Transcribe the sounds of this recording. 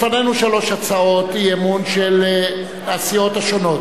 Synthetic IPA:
fanenuʃalo̞ʃat͡sao̞t̪jemunʃel | asijo̞t̪aʃono̞t

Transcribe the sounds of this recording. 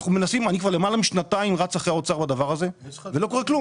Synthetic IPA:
χnume̞nasimanikvaʁlemalamiʃnat̪aimʁat͡saχeaot͡saʁbad̪avaʁaze̞velo̞ko̞ʁeklu

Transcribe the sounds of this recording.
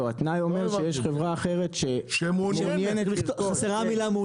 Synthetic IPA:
oat̪najo̞me̞ʁʃejeʃχevʁaːχe̞ʁe̞tʃemomnjenet̪bit̪χaseʁamilamu

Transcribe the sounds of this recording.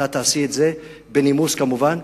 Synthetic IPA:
at̪aːsiet̪ze | benimuskamuvan

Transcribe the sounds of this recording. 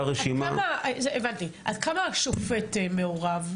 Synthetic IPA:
ʁeʃimamazeʔevantiʔadkamaʃofetemeoʁav

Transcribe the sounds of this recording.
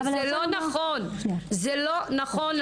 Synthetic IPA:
elonaχonzɛlonaχonl

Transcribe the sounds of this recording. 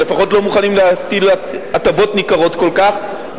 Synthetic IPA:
le̞faχo̞tlo̞muχanimleat̪il | at̪avo̞tnikaʁo̞tko̞lkaχ

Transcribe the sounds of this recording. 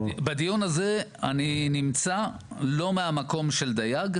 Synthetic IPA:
bad̪ijonaze̞aninimt͡sa | lo̞meamako̞mʃe̞ld̪ajaɡ

